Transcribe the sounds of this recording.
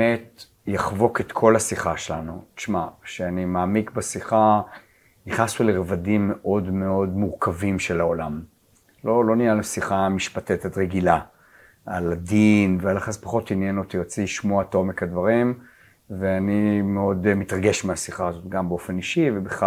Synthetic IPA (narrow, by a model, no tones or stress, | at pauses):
met | jaχvo̞ket̪kʰo̞lasiχaʃelanutʃmaʃeanimaːmikbasiχa | niχnasuleʁevadimːe̞ʔo̞dme̞o̞dmuʁkavimʃe̞lao̞lam | lo̞lo̞nijalisiχamiʃpatetatʁeɡila | aladinvealaχaspaχo̞tinjenotijot͡siʃmoatomekadvaʁim | veanimeo̞dmitʁaɡe̞ʃmeasiχaːzo̞tɡambeo̞fe̞niʃivebeχa